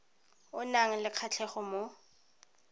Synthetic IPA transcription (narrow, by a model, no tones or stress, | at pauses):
ʊnaŋ̩lɪq͡χʰat͡ɬʰɛχɔmo